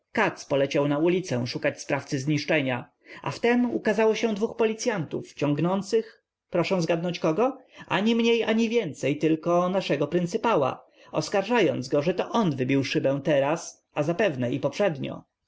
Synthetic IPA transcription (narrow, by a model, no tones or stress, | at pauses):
kat̪spɔlɛt͡ɕawnaulʲit̪sɛ̃ʂukat͡ɕspɾaft̪sɘzɲiʂt͡ʂɛɲa | ʔa̰ft̪ɛmṵkazawɔɕɛ̃d̪vuxpɔlʲit̪sʲjant̪uft͡ɕɔŋɡnɔnt̪sɘx | pɾɔʂɛ̃w̃zɡad̪nɔ̃ɲt͡ɕkɔɡɔʔa̰ɲimɲejaɲivʲjɛnt̪sɛjt̪ɘlkɔnaʂɛɡɔpɾɘnt̪sɨpawa̰ | ɔ̰skaɾʐajɔnd̪zɡɔʐɛt̪ɔʔɔnvɘbʲiwʂɘbɛ̃w̃t̪ɛɾas | azapɛvnɛipɔpʂɛd̪ɲɔ̰